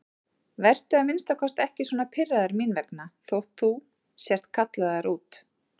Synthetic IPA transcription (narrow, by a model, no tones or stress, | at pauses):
vɛr̥t̪ʏaðmɪnst̪akʰɔst̪ɛhcɪsɔːnapʰɪrːaðaɾminvɛknaθowht̪θu | sjɛr̥t̪kʰat̪laðaɾuːt̪